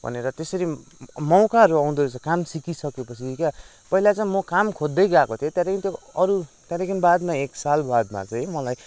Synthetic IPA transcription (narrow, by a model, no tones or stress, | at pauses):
bʱʌ̰neɾʌt̪esʌɾimʌwkaɦʌɾuʌw̃d̪oɾet͡sakamsikisʌkepʌt͡sʰika | pʌɦilat͡sãĩmʌkamkʰod̪ːʌjɡakot̪ʰijot̪jãɾekint̪joʌɾut̪jaɾekinbad̪maeksalbad̪ma̰t͡sʌj̃mʌlaj